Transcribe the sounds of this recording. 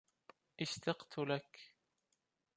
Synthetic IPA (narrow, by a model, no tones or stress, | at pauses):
ʔɪʃt̪ɑqt̪ʰʊlak